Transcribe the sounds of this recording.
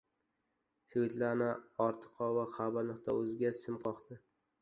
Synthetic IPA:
svɪt̪laɾnɪɒɾt̪ʰɨ̥qʰɒvaχabaɾnʊqt̪ʰa̰ɵzɪɡʲasɪmqʰɒqt̪ɪ

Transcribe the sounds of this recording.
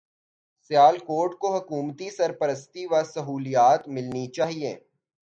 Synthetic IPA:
sjaːlkoːɾʈkoɦɐkuːmt̪isɐɾpəɾəst̪iʋasɐɦuːlijaːt̪mɪlnit͡ʃaːɦiḛː

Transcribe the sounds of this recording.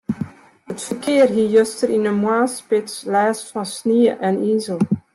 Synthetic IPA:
ɦətfərkɪːərɦijøstəɾinənmwaːspɪtslɛːstfɑnsniəʔɛniːzəlˠ

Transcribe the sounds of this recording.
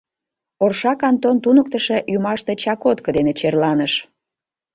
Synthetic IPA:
orʃɑkɑnt̪ont̪unək̚t̪əʃeʔjumɑʃt̪et͡ɕɑkot̪kəd̪enet͡ɕerlɑnəʃ

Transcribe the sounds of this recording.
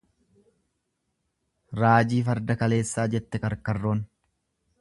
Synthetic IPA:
ɾaːd͡ʒiːfɐɾd̪ɐkɐle̞ːsːaːd͡ʒɛt̪ːɛkɐɾkɐrːo̞ːn

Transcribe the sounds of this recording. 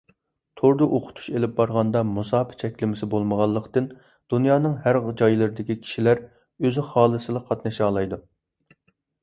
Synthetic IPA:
t̪ʰoɾd̪ɨʔoqʰʊ̥t̪ʰu̥ʃelɪp̚bɑɾʁɑnd̪ɑmusɑːpʰɪ̥t͡ʃʰɛkʲlɪmɪsɪbolˠməʁɑlˠːəqt̪ɨn | d̪̥unjɑːnɨŋhæɾʁd͡ʒɑjlˠɨɾɨd̪ɪkʲikʲʰi̥ʃilæɾ | øzɪχɑːlˠɨsɨlˠəqʰɑt̪nɨʃɑːlˠɑjd̪u

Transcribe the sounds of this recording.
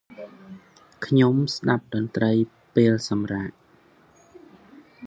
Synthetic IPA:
kʰɲomsɗap̚ɗɑnt̪rəj | peːlsɑmraːʔ

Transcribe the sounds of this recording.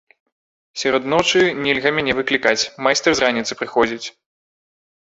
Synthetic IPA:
sʲɛɾɔd̪nɔt͡ʂɨnʲɛlʲɣɐmʲanʲɛvɨklʲikat͡sʲmajst̪ɛrzranʲit̪sɨ̥pɾɨxɔd͡zʲit͡sʲ

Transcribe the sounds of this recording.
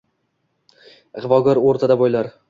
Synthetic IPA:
ʁvɒɡʲɒɾoɾt̪ʰad̪abojlaɾ

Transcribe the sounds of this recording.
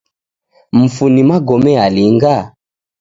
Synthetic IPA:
m̩funimaɡɔmɛaliŋɡa

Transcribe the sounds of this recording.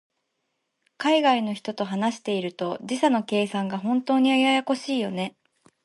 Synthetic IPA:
kaiɡaino̞çi̥t̪o̞t̪o̞ɦanaɕi̥t̪e̞iɾɯ̟t̪o̞d͡ʑiɕano̞ke̞ːsãŋɡaɦõ̞nt̪o̞ːɲ̟iajajako̞ɕiːjo̞ne̞

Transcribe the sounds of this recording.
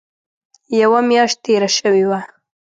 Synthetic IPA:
jawamjɑʃt̪̚t̪ːeɾaʃəwewa

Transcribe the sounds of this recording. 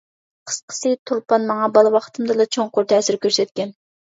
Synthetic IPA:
qʰə̥sqʰə̥sɨt̪ʰuɾpɑnmɑŋɑbɑlˠɨwɑχt̪ʰɨmd̪ɨlɑt͡ʃʰoŋqʊɾt̪ʰɛsɪɾkʲøɾsɛt̪kʲɛn

